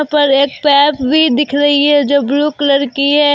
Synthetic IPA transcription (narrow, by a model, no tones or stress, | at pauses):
pɐɾeːk̚pɛːpbʱid̪ɪkʰɾɐɦiɦɛd͡ʒoːbɾuklɐɾkiɦɛ